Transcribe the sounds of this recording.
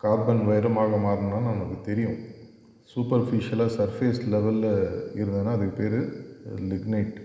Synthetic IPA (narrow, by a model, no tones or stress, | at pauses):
kaːɾbɐnʋɐɪɾɐmaːɣɐmaːɾɯnaːnɐmːɐkːɯt̪ɛɾɪjʊ̰̃ | suːpɐɾfɪʂɪɐlaːsɐɾfeːslɛʋɐlɪɾɯnd̪ɯnːaːɐðɯkːɯpeːɾɯlɪɡneːʈ